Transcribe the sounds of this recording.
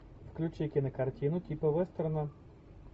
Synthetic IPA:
fklʲut͡ʃɪjkʲɪnɐkɐrtʲinʊtʲipɐʋɛst̪ɾɐnɐ

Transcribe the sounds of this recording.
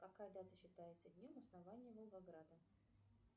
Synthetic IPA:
kɐkajəd̪at̪əɕːɪt̪ajɪt̪səd̪ʲnʲomɐsnavanʲɪjəvəlˠɡɐɡɾad̪ə

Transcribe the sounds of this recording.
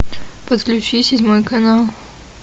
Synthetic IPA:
pət̪klʲʉt͡ɕisʲɪdʲmojkɐnalˠ

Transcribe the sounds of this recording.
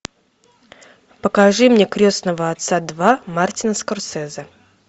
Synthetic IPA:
pəkɐʐɨmnʲekɾʲosnəvəɐt̪sad̪vamartʲɪnəskɐrsɛzə

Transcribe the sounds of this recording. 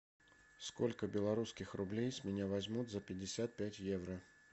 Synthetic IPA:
skolʲkəbʲɪlˠaɾuskʲɪxrublʲejsʲmʲɪnʲavazʲmut̪zɐpʲɪdʲɪsʲat̪̚pʲatʲjɛvɾɐ

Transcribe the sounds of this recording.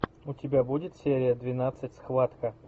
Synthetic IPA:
ʊtʲɪbʲabudʲɪt̪sʲeɾʲɪjəd̪vʲɪnat̪sɨtʲsxvat̪kə

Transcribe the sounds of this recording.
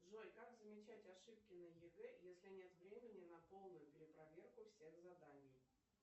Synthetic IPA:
ʐojʲkaɡzəmʲɪt͡ɕætʲɐʂɨp̚kʲɪnəjɪɡɛjesʲlʲɪnʲe̞t̪vɾʲemʲɪnʲɪnɐpo̞lˠnʊjʊpʲɪɾʲɪpɾɐvʲerkʊfsʲexzɐd̪anʲij

